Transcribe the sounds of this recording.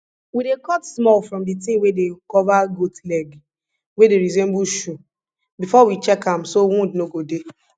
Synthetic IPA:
widekɔtsmɔlfɹɔ̃mditĩwedekɔvaɡotlɛɡ | wedeɹizɛ̃mbuʃu | bifɔwit͡ʃɛkãmsowũndnoɡode

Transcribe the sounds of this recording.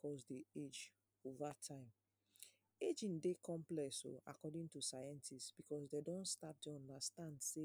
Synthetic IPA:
kɔsdeed͡ʒ | ovatʰãɪ̃m | ed͡ʒĩndekʰɔ̃mplɛso̰akɔdĩŋtusajɛ̃ntistb̥ikɔsdedɔ̃nstap̚deɔ̃ndastãndse

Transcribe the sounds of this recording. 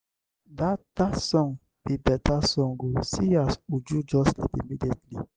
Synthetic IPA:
datdasɔ̃ŋ | b̥ibɛtʰasɔ̃ŋɡosiasud͡ʒud͡ʒɔstla̰tḭmidietlḭ

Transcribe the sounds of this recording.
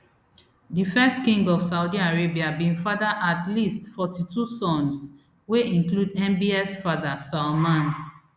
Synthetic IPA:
difɛstkĩŋɡɔvsaʊdiaɹebiabĩnfadaʔatlistfɔtitʰusɔ̃ns | weĩŋkludɛ̃mbiɛsfadasaʊmãn

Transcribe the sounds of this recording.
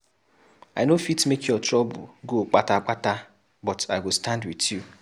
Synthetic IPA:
a̰ɪnofitmekʰjɔtɾɔbʊ̰ɡok͡patak͡pata | bɔtʰaɪwɪlstãndwitju

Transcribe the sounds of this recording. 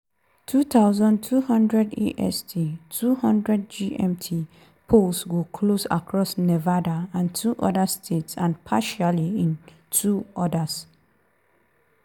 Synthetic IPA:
tʰut̪ʰaʊzɔ̃ntʰuhɔ̃ndɹɛdḭʔɛ̰stʰitʰuhɔ̃ndɹɛd̚d͡ʒiʔɛ̰̃mtʰi | pʰolsɡokʰlosa̰kʰɹɔsnɛvadaãntʰuʔɔdastʰetsãnpʰaʃaliĩn | tʰuɔdas

